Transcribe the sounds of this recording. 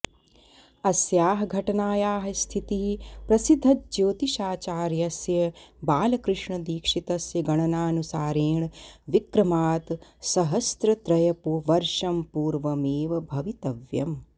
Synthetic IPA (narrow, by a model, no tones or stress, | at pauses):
ɐsjaːɦɐɡʱɐʈɐnaːjaːɦɐst̪ʰit̪iɦipɾɐsid̪ʱːɐt̪̚d͡ʒoːt̪iʃaːt͡ʃaːɾjɐsjɐbaːlɐkɾɨʂɳɐd̪iːkʂit̪ɐsjɐɡɐɳɐnaːnusaːɾeːɳʋikɾɐmaːt̪sɐɦɐst̪ɾɐt̪ɾɐjɐpuʋɐɾʃɐmpuːɾʋɐmeːʋɐbʱɐʋit̪ɐʋjɐ̰m